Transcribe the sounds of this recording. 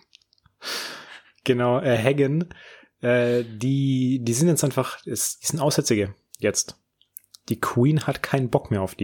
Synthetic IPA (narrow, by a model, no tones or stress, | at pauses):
ɡ̥ənaʊʔɛːɦɛɡən | ʔɛːdiːdiːzɪntjɛt͡sʔaɪnfaχɛsd̥iːz̥ɪntʔaʊsz̥ɛt͡sɪɡə | jɛt͡st | d̥iːkʰwiːnhatkʰaɪnənbɔkmeːɐaʊfd̥iː